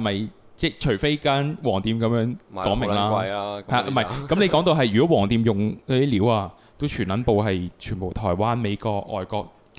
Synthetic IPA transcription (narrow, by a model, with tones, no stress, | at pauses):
mɐ˨j | t͡sɛː˥˩t͡ʃʰɵ˨˩ɥfe˥jkaː˥nwɔː˨˩ŋt̪iː˨mkɐ˨˥mjœː˨˥ŋkɔː˨˥ŋmɪ˨ŋlaː˥˨˧jhɐ˨˩mɐ˨jkɐ˨˦mnle˨˧jkɔː˨˥ŋt̪o˧wɦɐ˨jyː˨˩kɔː˨˥wɔː˨˩ŋt̪iː˧mjʊ˨ŋɔ˧˥i˥liː˨˥waː˧ | t̪o˥wt͡ʃʰyː˨˩nlɐ˨˥npo˧wɦɐ˨jt͡ʃʰyː˨˩npo˨˩wt̪ʰɔː˨˩jwaː˥nme˨˧jkɔː˧k̚ɔ̰ː˨jkɔː˧k̚